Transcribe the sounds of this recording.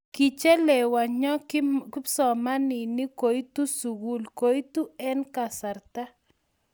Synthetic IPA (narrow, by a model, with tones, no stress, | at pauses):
ki˨t͡ʃe˦lɛ˨wa˨ɲɔ˦kɪ˦psɔ˨ma˦ni˨ni˦ko˨jtu˦su˨ɣu˦lko˨˦jtu˦ɛ˦nka˨sa˨ɾt̪a˦